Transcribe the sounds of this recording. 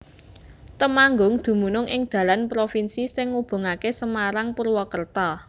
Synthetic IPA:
t̪əmaŋɡʊŋd̪̥ṳmunʊŋʔɪŋd̪̥ä̤lanpɾofinsisɪŋːub̥o̤ŋakesəmaɾaŋpurwɔkərt̪ɔ

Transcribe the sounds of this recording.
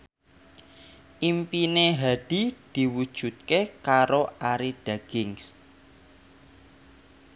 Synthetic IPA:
ʔimpineɦaɖ̥i̤d̪̥i̤wud̥ʒ̥ṳt̪̚kekaɾoʔaɾiɖ̥aɡ̥ɪŋs

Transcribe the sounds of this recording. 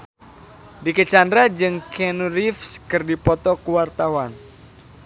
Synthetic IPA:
dikət͡ʃandɾad͡ʒɨŋkɛnuɾifskɨrdipɔt̪ɔkuwart̪awan

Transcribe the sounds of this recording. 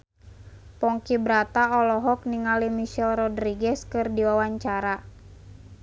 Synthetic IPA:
pɔŋkibɾat̪aɔlɔɦɔk̚niŋalimiʃɛlrɔdɾiɡɛskɨrdiwawaɲt͡ʃaɾa

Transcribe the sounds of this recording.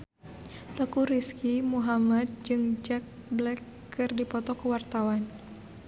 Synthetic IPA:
t̪əkuɾiskimuɦamad̪̚d͡ʒɨŋd͡ʒak̚blɛkː | ɨrdipɔt̪ɔkəwart̪awan

